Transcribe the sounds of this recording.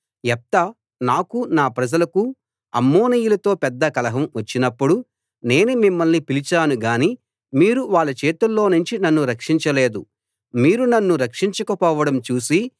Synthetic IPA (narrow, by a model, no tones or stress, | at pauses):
ɛp̚t̪ɐ | naːkunaːpɾɐd͡ʒɐlɐku | ɐ̰mːoːnijulɐt̪o̞ːpɛd̪ːɐkɐlɐɦɐmʋɐt͡ʃːinɐpːuɽu | ne̞ːnemimːɐlnipilit͡ʃaːnuɡaːni | miːɾuʋaːɭːɐt͡ʃeːt̪ulːo̞ːnuɲt͡ʃinɐnːuɾɐkʂiɲt͡ʃɐle̞ːd̪u | miːɾunɐnːuɾɐkʂiɲt͡ʃɐkɐpɔːʋɐɽɐmt͡ʃuːsi